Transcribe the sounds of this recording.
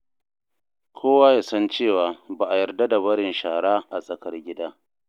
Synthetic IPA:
kʷʰoː˦wa˦jaː˨sɐ˦nt͡ʃeː˦˨waː˨ba˨ʔa˨jɐ˨rda˦da˨βɐ˦ɽɪ˨nʃaː˨ɽaː˦ʔa˨sʼɐ˨kɐ˦rɡʲɪ˦daː˦

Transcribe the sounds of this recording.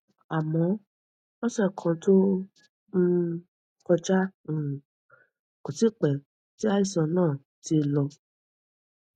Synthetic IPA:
a˨mɔ̃˨˧˦ | ɔ˦sɛ˦˨kʰã˧to˦ | n̩˧˦ | kɔ˧d͡ʒã˦˨ | ko˨ti˨˦˨k͡pɛ˨ | ti˦a˦i˦˨sɔ̃˨˧nãː˦˨ | ti˧˦lɔ˧

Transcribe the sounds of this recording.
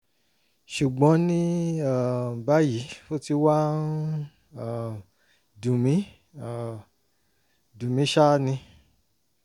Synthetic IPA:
ʃu˨ɡ͡bɔ̃˨˦nĩ˦a˦˨ba˦ji˨˦fo˦ti˧wa˦n | a˦˨ | dũ˨mĩ˨˦ | dũ˨mĩ˨˦ʃa˦nĩ˧

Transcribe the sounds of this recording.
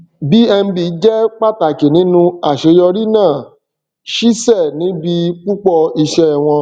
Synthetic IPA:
bi˨˦ɛ˧m̩˦bi˧˨˦d͡ʒɛ˦k͡pa˦ta˨ke˨nĩ˨˦nũ˧a˦˨ʃe˨˦jɔ˧ɾi˦nãː˦˨ | ʃi˦sɛ˦˨nĩ˨˦bi˧k͡pu˦k͡pɔ˧i˧ʃɛ˦˨w̃ɔ̃˧

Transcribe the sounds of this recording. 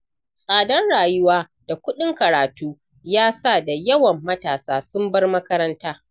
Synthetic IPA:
sʼaː˨dɐ˦nɽaː˨jʊ˦waː˦ | d̥a˨kʷʊ˦ɗɪ˦ŋkɐ˨ɾaː˨tuː˦ | jaː˦sa˦˨da˨jɐ˦wɐ˨mːɐ˦taː˨saː˦sʊ˦mbɐ˦rmɐ˦kɐ˦ɾɐ˦ntaː˦

